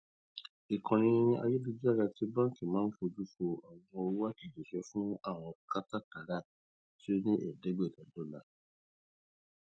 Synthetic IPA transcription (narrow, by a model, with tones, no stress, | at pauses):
i˨kʰã˨nĩ˧˦˧a̰˧je˦du˧d͡ʒi˦a˦˨ɡa˧ti˦bã˦ki˦˨mãː˦n̩˦fo˧d͡ʒu˦fo˧a˨wɔ̃˧o˧u˦wa˦ki˦˨d͡ʒe˨ʃɛ˦fũ˦a˦˨w̃ɔ̃˧ka˦ta˦ta˨ɾa˦˨ | ti˦o˦nĩ˦ʔɛ̰˨de˨˦ɡ͡be˦˨ta˨do˨˦la˨˧